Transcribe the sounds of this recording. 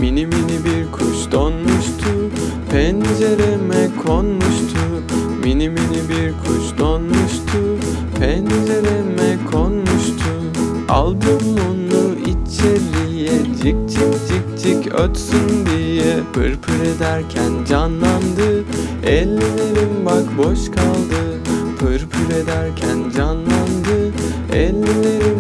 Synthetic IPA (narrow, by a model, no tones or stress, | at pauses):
miniminibiɾkʰuʃd̪̥onmuʃt̪ʰu | pʰɛnd͡ʒeɾemɛkʰonmuʃt̪ʰu | miniminibiɾkʰṵʃd̪onmuʃt̪ʰu | pʰɛnd͡ʒeɾemɛkʰo̞nmuʃt̪ʰu | a̰lˠd̪ɯmunlˠuit͡ʃʰɛɾlijɛd͡ʒik̚t͡ʃʰikd͡ʒik̚d͡ʒicø̰t̪synd̪ijɛpʰɯɾpʰyɾed̪æɾcʰænd͡ʒanlˠand̪ɯ | ɛlʲːilʲeɾinbakboʃkʰalˠd̪ɯpʰɯɾpʰyɾed̪æɾcʰænd͡ʒanlˠand̪ɯ | ɛ̰lʲːilʲeɾi